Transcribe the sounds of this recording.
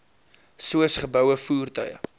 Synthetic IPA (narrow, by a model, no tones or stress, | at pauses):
suəsχəbœwəfuːrtœjə̰